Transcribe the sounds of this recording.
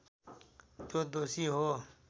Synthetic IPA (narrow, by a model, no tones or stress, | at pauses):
t̪oːd̪oːsiːɦoː